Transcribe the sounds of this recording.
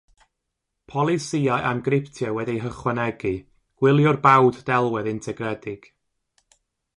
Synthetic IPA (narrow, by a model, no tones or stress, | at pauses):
pʰɔlˠɪsiajʔamɡrɪptʰjɛwɛdijɦəχwɛnɛɡɨ | ɡ̥wɪlˠjɔrbawddɛlˠwɛðɪntʰɛɡrɛdɪɡ̥